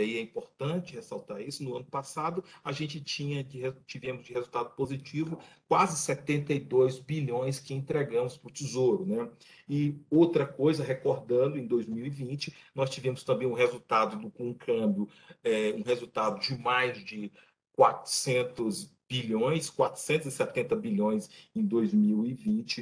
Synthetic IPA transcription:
aiɛĩpoɾt̪ɐ̃t͡ʃɪhesawt̪aɾisʊnʊɐ̃nʊpasad̪ʊaʒẽnt͡ʃɪt͡ʃĩɲɐd͡ʒɪet͡ʃivẽmʊzd͡ʒɪhezuwt̪ad̪ʊpozit͡ʃivʊkwazɪsɛt̪ẽnt̪ejd̪ojzbiʎõj̃skɪẽnt̪ɾeɡɐ̃mʊspɾʊt͡ʃizoɾʊnɛ | ɪowt̪ɾɐkojzɐɦekoɾd̪ɐ̃nd̪ʊẽj̃d̪ojzmiwivĩt͡ʃɪnɔst͡ʃivẽmʊst̪ɐ̃mbẽj̃ũɦezuwt̪ad̪ʊd̪ʊkõũkʰɐ̃bjʊ | ɛũɦezut̪ad̪ʊd͡ʒɪmajzd͡ʒɪ | kwat̪ʊ̥sẽnt̪ʊzb̥iʎõj̃skwat̪ɾʊ̥sẽnt̪ʊzɪsɛt̪ẽnt̪ɐbilõj̃sẽj̃d̪ojzmiwivĩt͡ʃɪ

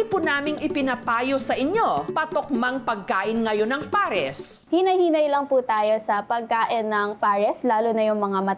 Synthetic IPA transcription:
punaːmɪŋɪpɪnɐpaːjosɐʔɪɲjo̞pɐt̪ok̚mɐŋpɐɡ̚kaːʔɪnŋɐjo̞nɐŋpaːɾɛs | hinɐjhiːnɐjlɐŋput̪aːjo̞sɐpɐɡ̚kaːʔɪnːɐŋpaːɾɛslaːlʊnɐjʊŋmɐŋamɐ

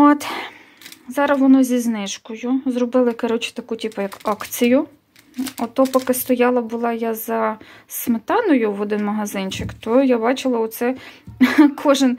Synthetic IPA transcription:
ɔt̪ | zɑɾɐsʋɔnɔzʲiznɪʃkɔjʊzɾɔbɪlˠɪkɐɾɔt͡ʃɪ̥t̪ɐkutʲipɐjɐkɑkt͡sʲijʊ | ɔt̪ɔpɔkɪst̪ɔjɑlˠɐbʊlˠɑjazɐsmɪt̪ɑnɔjʊʋɔd̪ɪnmɐɦɐzɪnʲt͡ʃɪkt̪ɔjabɑt͡ʃɪlˠɐɔt̪sɛ | kʰɔʒɪn

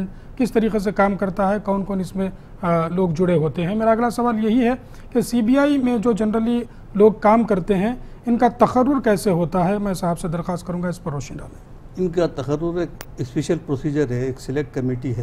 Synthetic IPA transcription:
n | kɪst̪ɐɾiːqes̬ekaːmkɐɾt̪aɦɛkɔːnkoːnɪsmẽ | loːɡd͡ʒʊɽeɦoːt̪eɦɛ̃meːɾaɐɡlasɐʋaːljɐɦiɦɛ | kesiːbiːaːimẽd͡ʒoːd͡ʒɐnɾəli | loːɡ̚kaːmkɐɾt̪eɦɛ̃ | ɪnkat̪ɐqəɾːʊɾkɛːseɦoːt̪aɦɛmɛ̃ːɪsaɦəbsed̪ɐɾxaːst̪̚kɐɾũːŋɡaɪspɐɾːoːʃə̃nɖ̪amẽː | ɪnkat̪ɐqɐɾːʊɾeːk̚ɪspeːʃəlpɾoːsiːd͡ʒəɾɦɛeːksɪlek̚ʈkɐmiːʈiɦɛː

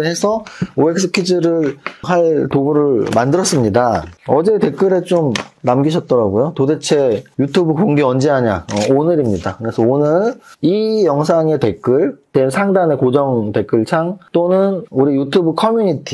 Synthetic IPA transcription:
he̞sʰʌoe̞k̚s͈ʰɯkʰid͡ʑɯɾɯɭɦaɭtobuɾɯɭmandɯɾʌs͈ɯmɲidaʌd͡ʑe̞te̞k͈ɯɾe̞t͡ɕomnamɡiɕʰʌt̚t͈ʌɾaɡujotode̞t͡ɕʰe̞jutʰubɯkoŋɡiʌnd͡ʑeɦaɲaʌonɯɾimɲidakɯɾe̞sʰʌonɯɭijʌŋsʰaŋe̞te̞k͈ɯɭtensʰaŋdane̞kod͡ʑʌŋte̞k͈ɯɭt͡ɕʰaŋt͈onɯnuɾijutʰubɯkʰʌmjuɲitʰi

